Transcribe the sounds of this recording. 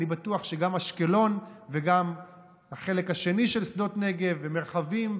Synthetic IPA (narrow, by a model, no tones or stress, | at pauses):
ibatuaχʃe̞ɡamhaʃke̞lo̞nveɡam | haχe̞le̞khaʃe̞niʃe̞lsdo̞tne̞ɡe̞veme̞ʁχavim